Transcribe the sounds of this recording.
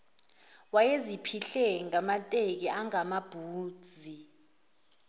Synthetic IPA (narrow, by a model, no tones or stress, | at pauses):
wajezipʰiɬɛŋamatʼek̬iaŋamab̥ʱuːd̥z̥ʱi